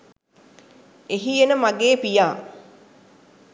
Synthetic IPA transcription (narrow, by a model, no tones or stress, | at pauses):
eɦienəmaɡeːpijaː